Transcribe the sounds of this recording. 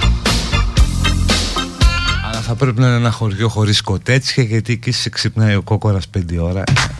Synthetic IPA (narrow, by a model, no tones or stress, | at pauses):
ɐlɐθɐpɾe̞pinɐineenɐxo̞ɾʝo̞xo̞ɾisko̞t̪et͡sçɐʝɐt̪ici̥seksipnɐioko̞ko̞ɾɐspend̪io̞ɾɐ̰